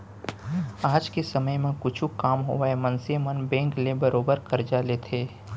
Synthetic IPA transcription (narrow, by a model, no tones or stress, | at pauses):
aːd͡ʒkesɐməjmẽkʊt͡ʃʰukaːmɦoʋemɐ̃nsemənbɛ̃ːŋklebɐɾoːbəɾkɐɾd͡ʒaːlet̪ʰeː